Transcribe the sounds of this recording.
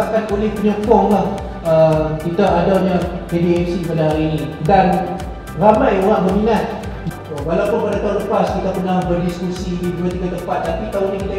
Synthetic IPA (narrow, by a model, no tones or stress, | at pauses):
akanolɛhpəɲɔkɔŋlah | əkit̪aʔadaɲakediɛfsipadaɦaɾiinidan | ramajoɾaŋbəmiŋat̪̚ | walawpʊnpadat̪alupaskit̪əpərnahbərdiskusiiduat̪iɡat̪əmpat̪ːapit̪auɲakit̪a